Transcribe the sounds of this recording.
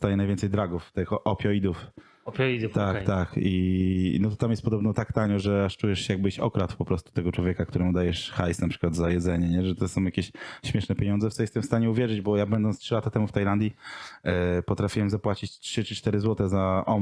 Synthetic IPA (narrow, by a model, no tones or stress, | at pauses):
st̪ajɛnajvʲɛnt̪sɛjd̪ɾaɡuft̪ɪxʔɔpʲjɔid̪uf | ɔpʲjid̪ut̪akt̪akinɔt̪ɔt̪amjɛst̪̚pɔd̪ɔbnɔt̪akt̪aɲɔʐɛaʂt͡ʂujɛʂɕɛjaɡ̚bɘiɕɔ̰kɾat̪fpɔpɾɔst̪u̥t̪ɛɡɔt͡ʂwɔvʲɛkakt̪uɾɛmud̪ajɛʂxajsnapʂɘ̥kwad̪zajɛd̪zɛɲɛɲɛʐɛt̪ɛsɔ̃w̃jakʲeɕɕmʲɛʂnɛpʲjeɲɔnzɛft̪ɔjɛst̪ɛmfst̪aɲɛuvʲjɛʐɘd͡ʑbɔjabɛnd̪ɔnt̪stʂɨlat̪at̪ɛmuft̪ajland̪ʲji | pɔt̪ɾafʲiwɛmzapwat͡ɕit͡ɕtʂɘt͡ʂɘt͡ʂt̪ɛɾɘzwɔt̪ɛzaʔɔ